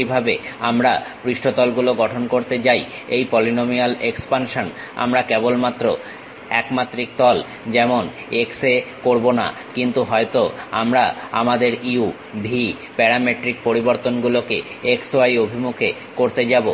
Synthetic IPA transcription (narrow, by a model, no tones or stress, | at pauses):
ibʱabeamɾapɾiʃʈot̪ɔlɡuloɡɔʈʰonkoɾt̪et͡ɕaj | ejpɔlinomialekspanʃon | a̰mɾakebolmat̪ːɾo | ɛkmat̪ːɾik̚t̪ɔl | d͡ʑɛmon | eksekoɾbona̰ | kint̪uɦɔet̪oamɾaamad̪eɾiu | bʱi | pɛɾameʈɾik̚poɾiboɾt̪onɡuloke | eksoajobʱimukʰe | koɾt̪ed͡ʑabo